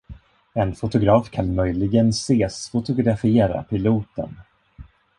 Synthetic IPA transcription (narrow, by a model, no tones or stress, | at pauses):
ɛnfʊt̪ʊɡɾɑːfkʰanmœjlɪɡənseːsfʊt̪ʊɡɾafeːɾa̰pʰɪluːt̪ə̰n